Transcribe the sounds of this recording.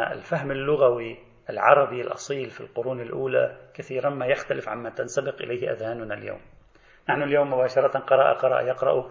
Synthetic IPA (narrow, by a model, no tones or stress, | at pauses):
ɪ̰lfaɦmɪlːʊɣawi | ʔɪlʕɑ̰ɾˤɑbilʔɑ̰sˤiːlfilqʊɾuːnɪlʔuːla̰kaθiːɾammajaxt̪alɪfʕa̰mːat̪ansabɪqʔɪ̰lajhɪʔa̰ðhaːnʊnalja̰ːm | naħnʊljoːmːʊbaːʃɑɾˤɑt̪qɑɾˤɑʔa̰qɑɾˤɑ̰ʔjɑqɾˤɑ̰ʔu